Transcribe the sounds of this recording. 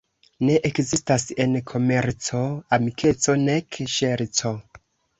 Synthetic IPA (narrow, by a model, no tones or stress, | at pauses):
ne̞ʔekzistase̞nkʰo̞me̞ɾt͡so̞amikʰe̞t͡so̞ne̞kʃeɾt͡so̞